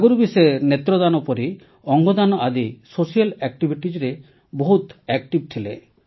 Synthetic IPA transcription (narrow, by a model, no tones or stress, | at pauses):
aɡɔɾubiseeɾnet̪ɾɔd̪anɔpɔɾi | ɔŋɡɔd̪anɔad̪isosijalɛk̚ʈibʱiʈid͡ʒɾe | boɦut̪ɛkʈib̚t̪ʰile